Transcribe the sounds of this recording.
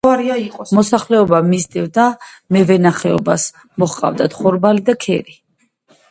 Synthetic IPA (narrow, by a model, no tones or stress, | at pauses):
aɾiaqʼɔmɔsaχlɛɔbamizd̪ɛvd̪amɛvɛnaχɛɔbas | mɔχqʼa̰vd̪at̪ʰχɔɾbalid̪akʰɛɾi